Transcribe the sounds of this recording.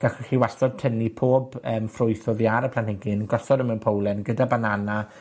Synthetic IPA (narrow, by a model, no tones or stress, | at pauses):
ɡ̥aχχiwaɔdtʰənipʰoːbəːmfrʊjθɔðiaɾəpʰlanhɛɡɨnɡɔsɔdəmɛwnpʰowlˠɛnɡədabanana